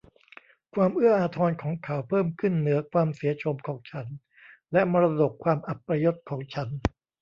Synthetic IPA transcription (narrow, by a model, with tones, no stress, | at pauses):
kʰwaː˧mʔɯ˥˩ɐʔaː˧t̪ʰɔː˧nkʰɔː˩˦ŋkʰa˩˦˥wpʰɤː˥˩mkʰɯ˥˩nːɯ˩˦ɐkʰwaː˧msiː˩˦ɐt͡ɕʰo˧mkʰɔː˩˦ŋt͡ɕʰa˦˥n | lɛ˦˥ma˧ɾa˧do˨˩k̚ʰwaː˧mʔa˨˩pːɾa˧jo˦˥t̪̚kʰɔː˩˦ŋt͡ɕʰa˦˥n